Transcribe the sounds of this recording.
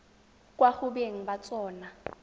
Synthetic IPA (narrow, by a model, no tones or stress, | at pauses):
kʼwaχʊbeŋ̩bat͡sʼɔːna